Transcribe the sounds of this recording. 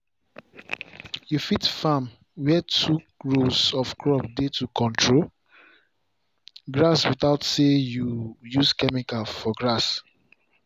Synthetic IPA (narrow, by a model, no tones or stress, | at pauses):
jufitfãm | wɛtʰu | ɹosɔfkʰɹɔpdetukʰɔ̃ntʰɹo | ɡɹaswiθaʊtsejujuskɛmikalfɔɡɹas